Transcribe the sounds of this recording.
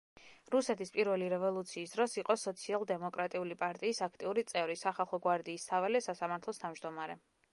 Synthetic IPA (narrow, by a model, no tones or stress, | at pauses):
ɾusɛt̪ʰispʼiɾvɛliɾɛvɔlˠut̪sʰiːsd̪ɾɔsiqʼɔsɔt̪sʰialˠd̪ɛmɔkʼɾat̪ʼiulipʼaɾt̪ʼiːsakʰt̪ʼiuɾit̪sʼɛvɾisaχalˠχɔɡwaɾd̪iːst̪ʰavɛlɛsasamaɾt̪ʰlˠɔst̪ʰavmd͡ʒd̪ɔmaɾɛ